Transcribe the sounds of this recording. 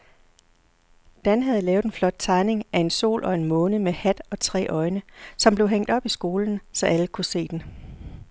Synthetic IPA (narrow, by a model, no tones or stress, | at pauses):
d̥ænɦæð̞ˠlɛːʊðˠenflɒ̽d̥̚t͡sʰɑ̈ɪne̝ŋæe̝nso̝̰ːlʔɒ̽e̝nmɔ̽ːnəmehæd̥ɒ̽t͡sʰʁɛ̰ːʔɒ̽ɪnəsɒ̽mb̥leʊɦeŋ̰d̥ɒ̽b̥isɡ̥o̝ːln̩sɒ̽ʔæləkʰuse̝̰ːd̥en